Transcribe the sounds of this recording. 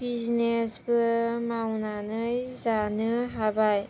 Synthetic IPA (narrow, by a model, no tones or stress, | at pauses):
biznesbɯmawnanɯjzanɯɦabaj